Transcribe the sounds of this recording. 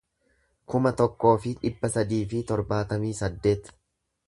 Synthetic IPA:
kʊmɐt̪ɔkːo̞ːfɪᶑɪbːɐsɐd̪iːfɪt̪ɔɾbaːt̪ɐmiːsɐd̪ːe̞ːt̪

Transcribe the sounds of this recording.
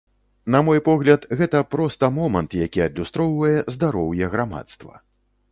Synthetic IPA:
namɔjpɔɣlʲɐt̪ɣɛt̪ɐpɾɔst̪ɐmɔmɐnt̪jakʲiɐd̪lʲust̪ɾɔwvɐjɛzd̪aɾɔwjɛɣɾama̰t̪st̪vɐ̰

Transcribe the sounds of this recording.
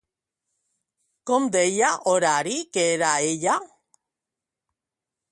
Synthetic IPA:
komd̪ejaʔoɾaɾikeɾaeʎa

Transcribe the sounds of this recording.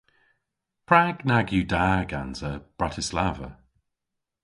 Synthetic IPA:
pʰɹ̥aɡnaɡjudaːɡanzəb̥ɹatʰɪslavə̰

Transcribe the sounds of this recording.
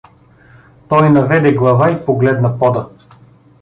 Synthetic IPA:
t̪ɔjnɐvɛd̪ɛɡlˠɐvaipoɡlɛd̪nɐpɔd̪ə

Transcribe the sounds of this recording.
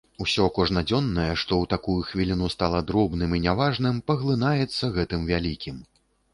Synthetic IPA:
usʲɔkɔʐnɐd͡zʲɔnːɐjɛʂt̪ɔwt̪akujuxvʲilʲinust̪alˠɐd̪ɾɔbnɨminʲavaʐnɨmpɐɣlˠɨnajɛt̪sːɐɣɛt̪ɨmvʲalʲikʲim

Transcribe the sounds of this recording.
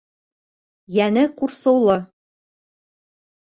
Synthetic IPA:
jænɘquɾsɤ̆wlˠɤ

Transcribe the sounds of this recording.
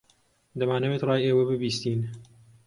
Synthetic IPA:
d̪ɐmaːnɐweːt̪rˤɑːjeːwɐbɨbiːst̪iːn

